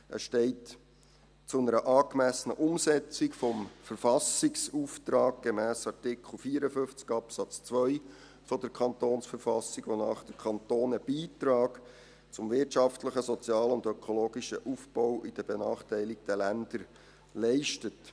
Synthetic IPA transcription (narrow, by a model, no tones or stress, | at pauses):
ə̰sʃtɛɪt | t͡sʊnəɾəʔɑːkmæsənə̰ʔʊmsɛt͡sɪkfɔmfəɾfɑsɪksuːft̪ɾɑːɡ̚ɡ̥emæːsɑɾtɪkʰχl̩ˠfiːɾəfʏft͡skɑpsɑt͡st͡sʋœj | fɔd̥əɾkʰɑntoːnsfəɾfɑsiɡ̥ʋonɑːχd̥əkʰɑntoːnəb̥iːtɾɑːɡ | t͡sʊmvɪtʃɑftləχəsɔt͡sjɑːlʊndœkʰɔloːɡiʃəʔufb̥ɔwʔid̥əbenɑːχtæɪlɪk̚d̥ɛlænd̪̥əɾ | lɛɪʃtət